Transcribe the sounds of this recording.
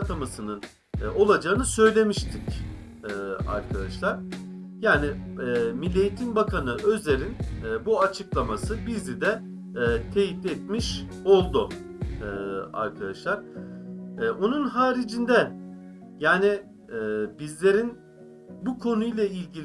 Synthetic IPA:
t̪ʰamasɯnɯn | o̞lˠad͡ʒaːɯnɯsø̞jlʲe̞miʃt̪ʰicː | a̰ɾkʰad̪aʃlˠaɾ̥ | jaːnimilʲːejit̪ʰinbakʰanɯʔøzʲeɾinːbuat͡ʃʰɯklˠamasɯbizid̪ɛ | t̪ʰe̞jit̪et̪miʃ | o̞lˠd̪ʊ | a̰ɾkʰad̪aʃlˠaɾ̥ː | o̞nunɦaːɾid͡ʒind̪ɛ | jaːni | bizlʲe̞ɾin | bukʰo̞nujlˠailʲɟil

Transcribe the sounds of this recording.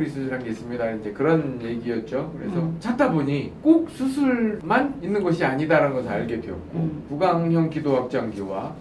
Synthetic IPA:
ɾisʰɯiɾɦanɡes͈ɯmɲidand͡ʑe̞kɯɾʌnje̞ɡijʌt̚t͡ɕ͈okɯɾe̞sʰʌt͡ɕatʰaboɲik͈ok̚sʰusʰuɭmaninːɯnɡʌɕʰiaɲidaɾanɡʌsʰɯa̰ɭɡe̞deʌk̚k͈opuɡaŋjʌŋkidohak̚t͡ɕ͈aŋɡjowa

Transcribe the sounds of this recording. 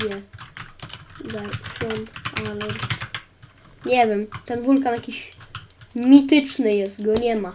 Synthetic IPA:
ɛ | zafɔnalɛɾs | ɲɛvʲjɛmt̪ɛnvulkanjakʲiɕ | mʲit̪ɘt͡ʂnɘjɛst̪ɡɔɲɛma

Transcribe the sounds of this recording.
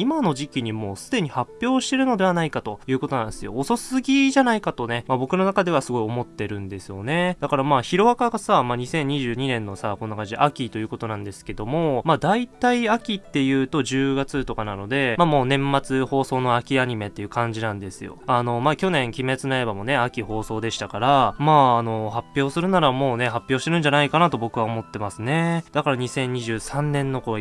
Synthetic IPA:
imano̞ʑikʲiɲ̟imo̞ːsɨd̪e̞ɲ̟ihapʲːjo̞ːɕi̥t̪e̞ɾɯ̟no̞d̪e̞β̞anaikat̪o̞jɯ̟ːko̞t̪o̞nã̰nd̪sɨjo̰ːso̞sɨɡʲiʑanaikat̪o̞nemabo̞kɯ̟no̞nakad̪e̞β̞asɨɡo̞io̞mo̞t̪ːe̞ɾɯ̟̃nd̪e̞sɨjo̞̰ne̞d̪akaɾamaːçiɾo̞βakaɡasamaːɲ̟isẽ̞ɲ̟iʑɨːɲ̟inẽ̞nːo̞sako̞nːoakãɲd͡ʑiʔakʲit̪o̞jɯko̞t̪o̞nãnd̪e̞sɨ̥ke̞d̪o̞mo̞mad̪ait̪aiakʲit̪ːe̞jɯ̟ːt̪o̞ʑɨːɡat͡sɨt̪o̞kanano̞d̪e̞mamo̞ːnẽ̞mːat͡sɨho̞ːso̞ːno̞akʲiaɲ̟ime̞t̪ːe̞jɯ̟kãɲ̟d͡ʑinãnd̪e̞sɨjo̞̰ano̞maːkʲo̞nẽ̞ŋkʲime̞t͡sɨnae̞bamo̞ne̞akʲiho̞ːso̞ːd̪e̞ɕi̥t̪akaɾamaːno̞ɦapʲːjo̞ːsɨɾɯ̟naɾamo̞ːne̞ɦapʲːjo̞ːɕit̪e̞ɾɯ̟̃ɲ̟d͡ʑanaikanat̪o̞bo̞kɯ̟βao̞mo̞t̪ːe̞masɨne̞d̪̥akaɾaɲ̟isẽ̞ɲ̟ːiʑɨːsãnːẽ̞nːo̞ko̞

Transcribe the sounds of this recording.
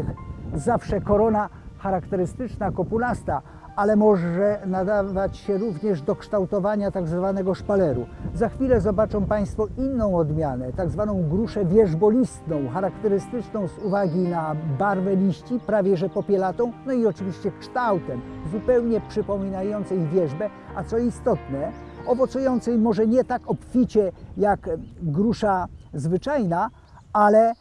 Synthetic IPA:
zafʂɛkɔɾɔna | xaɾakt̪ɛɾɘst̪ɘt͡ʂnakɔpulast̪a | alɛmɔʐɛnad̪avat͡ɕɕɛɾuvɲɛʐd̪ɔkʂt̪awt̪ɔvaɲat̪aɡzvanɛɡɔʂpalɛɾṵzaxfʲilɛzɔbat͡ʂɔ̃wpaj̃st̪fɔinːɔ̃w̃ɔd̪mʲjanɛt̪aɡzvanɔ̃w̃ɡɾuʂɛvʲjɛʐbɔlʲist̪nɔ̃w̃xaɾakt̪ɛɾɘst̪ɘt͡ʂnɔ̃w̃zuvaɡʲinabaɾvɛlʲiɕt͡ɕipɾavʲjɛʐɛpɔpʲjɛlat̪ɔ̃w̃nɔiɔt͡ʂɘvʲiɕt͡ɕɛkʂt̪awt̪ɛmzupɛwɲɛpʂɘpɔmʲinajɔnt̪sɛjvʲjɛʐbɛ | at̪sɔist̪ɔt̪nɛ | ɔvɔt̪sujɔnt̪sɛjmɔʐɛɲɛt̪akɔpfʲit͡ɕɛjakɡɾuʂazvɘt͡ʂajna | alɛ

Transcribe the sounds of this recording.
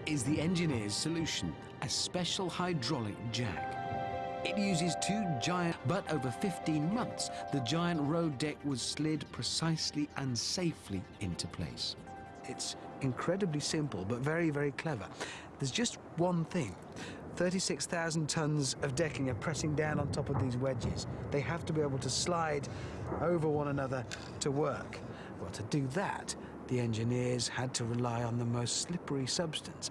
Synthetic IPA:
ɪzðiɛ̃nd͡ʒɨnɪɹz̥sɨlʉʃɨ̃n | ɨspɛʃl̩ˠhaɪdɹɑlˠɨ̰k̚d̥ʒ̥æ̰k | ɨt̚jʉzɪz̥tʰʉd͡ʒaɪɨ̃b̥ʌɾʔoʊvə˞fɪftĩnmʌ̃nθsðɨd͡ʒaɪɨ̃nʔɹoʊdɛk̚wʌz̥slɪdpʰɹ̥ɨsaɪsliʔɨ̃nseɪflḭɪ̰̃ntʰʉpʰl̥ḛɪs | ɨts | ɨ̃nkʰɹ̥ɛɾɨblisɪ̃mpəlˠbʌtvɛɹivɛɹikʰl̥ɛvə̰˞ | ðə˞zd͡ʒʌst̚wʌ̃nθɪ̃ŋ | θɜ˞ɾisɪksθaʊzn̩tʰʌ̃nzʌvdɛkɪ̃ŋə˞pʰɹ̥ɛsɪ̃ŋdãʊ̃nə̃ntʰɑpʌvðizwɛd͡ʒɪ̰zðeɪæftɨbieɪbl̩ˠtʰɨslaɪdoʊvə˞wʌ̃nənʌðə˞ | ɾʰəwɜ˞k | wɛlˠtʰɨdɨðə̰t̪̚ | ðiɛ̃nd͡ʒɨnɪɹz̥ɨd̚tʰɨɹɨlaɪə̃nðəmoʊstslɪpə˞isʌbstɨ̃ns

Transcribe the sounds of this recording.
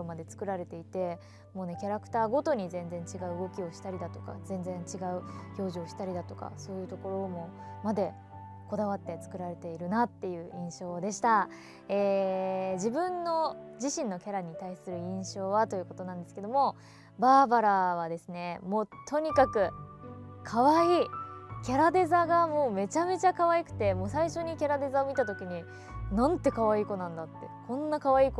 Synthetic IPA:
mad̪e̞t͡sɨ̥kɯ̟ɾaɾe̞t̪e̞it̪e̞ | mo̞ːne̞kʲaɾakɯ̟̥t̪aːɡo̞t̪o̞ɲ̟izẽ̞nd͡zẽ̞ɲ̟t͡ɕiɡaɯ̟ɯɡo̞kʲio̞ɕi̥t̪aɾʲid̪at̪o̞̥ka̰zẽ̞nd͡zẽɲt͡ɕiɡaɯ̟ço̞ːʑioɕi̥t̪aɾʲid̪at̪o̞ka̰so̞ːjɯ̟ːt̪o̞ko̞ɾo̞ːmo̞mad̪e̞ | ko̞d̪aβ̞at̪ːe̞t͡sɨ̥kɯ̟ɾaɾe̞t̪e̞iɾɯ̟nat̪ːe̞jɯ̟ːʔĩɰ̃ɕo̞ːd̪e̞ɕi̥t̪a | eːd͡ʑibɯ̟̃nːo̞d͡ʑiɕĩnːo̞kʲaɾaɲ̟it̪aisɨɾɯ̟ĩɰ̃ɕo̞ːβat̪o̞jɯ̟ko̞t̪o̞nãnd̪esɨ̥ke̞d̪o̞mo̞ | baːbaɾaβ̞ad̪e̞sɨne̞mo̞ːt̪ʰo̞ɲ̟ikakɯ̟ | kʰaβaiːkʲaɾad̪e̞zaɡamo̞ːme̞t͡ɕame̞t͡ɕakaβaikɯ̟̥t̪e̞moːsaiɕo̞ɲ̟ikʲaɾad̪e̞zaomʲit̪at̪o̞kʲiɲ̟i | nãnt̪e̞kaβ̞aiːko̞nãnd̪at̪ːe̞̰kʰõ̞nːakaβaiːko

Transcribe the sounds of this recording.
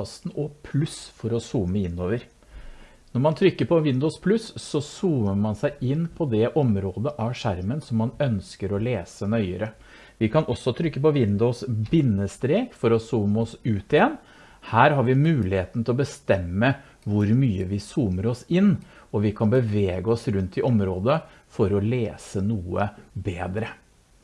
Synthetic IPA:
st̪nɔpʰlʉsfɔɾɔsuːməɪnːoːʋəɾ | nɔɾmɑnt̪ʰɾʏkːəɾpʰɔʋɪnd̪ʊːspʰlʉsːɔsuːməmɑnsæɪɪnːpʰɔd̪ɛʔɔmɾoːd̪əʔæʂæɾmənsɔmːɑnœnskəɾɔleːsənœʏəɾə | ʋɪkʰɑnʔɔsːɔt̪ʰɾʏkːəpɔʋɪnd̪usbɪnːəst̪ɾeːkfɔɾɔsuːmɔsʉːt̪ɪjɛnː | hæːɾhɑɾʋɪmʉːlɪheːt̪ən̩t̪ʰɪlɔbəst̪ɛmːə | ʋʊɾmyːəʋɪsuːməɾɔsɪnɔʋɪkʰɑnbəʋeːɡəɔsɾʉnt̪ɪʔɔmɾoːd̪ə | fɔɾɔleːsənuːə̰beːd̪ɾə

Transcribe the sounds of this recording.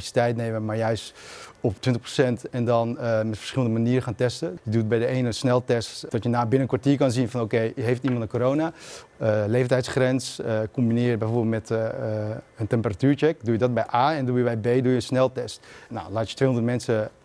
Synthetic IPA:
isi̥tɛjtnejməmaɹjœɥstɔptʋɪntəχprosɛntɛndɔnmɛtfə̥ɹsχɪlˠəndəmaniːɾəxaːntɛstəjədut̚bɛjdəeːnənsnɛlˠtɛstd̥ɔtjənaːbɪnənkʋaɹtiːɹkɑnzinfɔnokejɦejftimɑ̃ntənkoɾowna | lejfəntɛjtsχrɛnskɔmbinɪːrt̚bɛjforbɪlˠmɛt | əntɛmpəratyːɹt͡ʃɛk̚dujədɔt̚bɛjʔaːɛndujəʋɛjbeːdujənsnɛlˠtɛstna̰wlaːtjətʋeːɦonətmɛnsə

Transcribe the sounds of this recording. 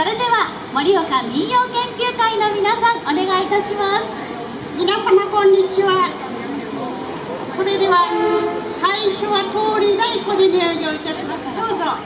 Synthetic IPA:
soɾe̞d̪e̞βa | moɾʲiokamʲijoːkẽ̞ŋkʲɨːkaino̞mʲinasãŋone̞ɡait̪aɕimasɨ̥ | mʲinasamakõ̞ɲːit͡ɕiβa | soɾe̞d̪e̞βa | saiɕoβat̪oːɾʲid̪aikod̪eniod͡ʑoit̪aɕimasɨd̪oːzo

